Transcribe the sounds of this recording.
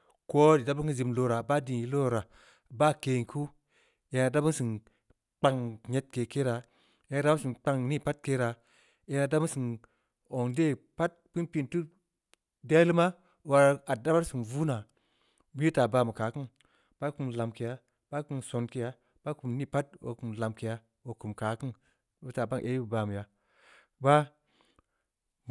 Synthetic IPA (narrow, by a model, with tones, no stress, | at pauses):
ko˦di˨da˦bu˦ki˦zi˧mlo˨ɾa˨ba˦di˨ji˨lo˦˨ɾa˨ | ba˦ke˨kʰu˦ | ja˨na˨da˦bu˦nsi˨n | k͡pa˧ŋɲe˦t̚ke˨ke˦ɾa˨ | je˨˦na˨da˦si˨nk͡pa˧ŋni˦pa˦t̚ke˦ɾa˨ | je˨na˨da˦bu˦sɨ˨n | o˨ŋde˦pa˦t̚pi˦npi˧ntu˦ | de˦li˦ma˦ | wa˨ɾa˨da˦ba˦ɾsi˨nvu˦na˨ | mi˦i˦ta˨ba˨mu˨kaː˨˦kɨ˦n | b̥a˦ku˨mla˨mke˨ja˦ | b̥a˦ku˨mso˨nke˨ja˦ | b̥a˦ku˨mni˦pa˦t̚wo̰˨ku˨mla˨mke˨ja˨˦ | wo˨ku˨mka˨kɨ˦n | bi˦ta˨ba˦ŋʔe˦ju˨ba˨mu˨ja˨ | ba˦